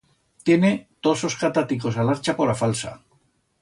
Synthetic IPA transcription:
t̪je̞ne̞t̪oso̞skat̪at̪iko̞salaɾt͡ʃapo̞ɾafalsa̰

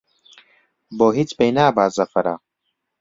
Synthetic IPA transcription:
boːɦit͡spejnaːbaːzɐfɐɾa̰ː

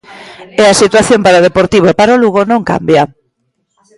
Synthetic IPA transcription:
easit̪waθjompaɾaoð̞epoɾt̪iβ̞oepaɾoluɣonõŋka̰mbja

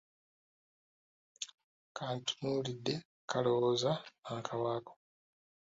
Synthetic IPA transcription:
kʰaːntʰu̥mulidːe̞ | kʰalowoːzaakʰawaːko̥

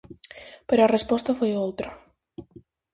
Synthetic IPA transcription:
peɾɔrespɔst̪afejolˠt̪ɾa

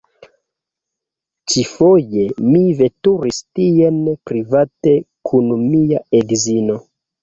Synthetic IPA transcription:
t͡ʃifo̞je̞mive̞tuɾistienpɾivate̞kʰunmiaeɡzino̞

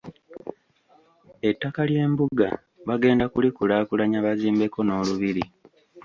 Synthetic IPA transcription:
e̞tːakalje̞ːmbuɡa | βaɡe̞ːndakulikulaːkulaɲaβaziːmbe̞ko̞no̞ːluβiɾi

